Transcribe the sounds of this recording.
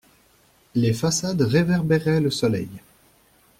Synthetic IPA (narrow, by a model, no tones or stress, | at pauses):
lefasad̪ʁevɛʁbeʁɛləsɔlɛ̰j